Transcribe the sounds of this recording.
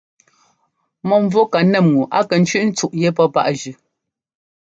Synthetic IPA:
mɔ˨ɱ˦vwo˦ka˨nɛ˦˨mŋu˨ʔa̰˦kɛ˨n̩˦t͡ʃɥʉ˦ʔn̩˦t͡su˦˨ʔje˦pɔ˦pa̰˦ʔʒʉ˨

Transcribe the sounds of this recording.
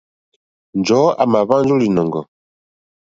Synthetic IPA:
nd͡ʒɔ˨˦a̰˨ma˨βa˦nd͡ʒu˦li˨nɔ˨ŋɡɔ̰˨

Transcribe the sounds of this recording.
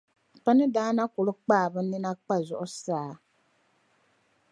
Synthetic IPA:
pa˦nɨ˦daː˦na˦kʊ˨lɨ˦k͡paː˦˨bɨ˦ni˦na˦k͡pa˦zɔ˨ʔʊ˦saː˦˨

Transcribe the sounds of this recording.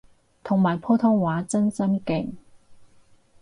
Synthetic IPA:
t̪ʰʊ˨˩ŋmaː˨˩jpʰoː˥t̪ʰʊ˥ŋwaː˨˥t͡sɐ˥nt͡sɐ˥nkɪ˨˩ŋ

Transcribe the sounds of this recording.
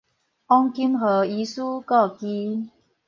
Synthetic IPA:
ɔ˧ŋki˧˥mɦɤː˨˩i˨˦suː˦kɔ˥˩ki˧˦

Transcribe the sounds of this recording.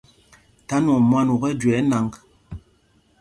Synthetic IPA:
ta˨˦nɔ˨mwa˦nu˨ɣɛ˦d͡ʒɛ˨˦na˨˦ŋɡ

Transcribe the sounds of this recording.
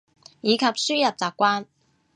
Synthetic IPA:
jiː˨˧kʰɐ˨p̚syː˥jɐ˨p̚t͡saː˨˩kːʷaː˥n

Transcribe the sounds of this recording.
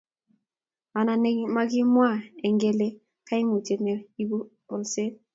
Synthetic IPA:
a˨na˨ne˦ma˦ɡɪ˦mwa˦˨e˨ŋɡe˦le˦ | ka˦i˦ŋu˨t͡ʃe˨ne˨i˦bu˦ | ɔ˨lse˦

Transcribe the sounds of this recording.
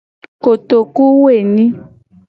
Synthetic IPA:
ko˨t̪o˨ku˦we˦˨nĩ˦

